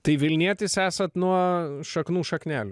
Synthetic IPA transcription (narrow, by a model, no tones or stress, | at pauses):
t̪ɐɪʋʲɪlʲnʲiɛt̪ʲɪsæːsɐt̪nuɔʃɐknuːʃɐknʲæːlʲʊ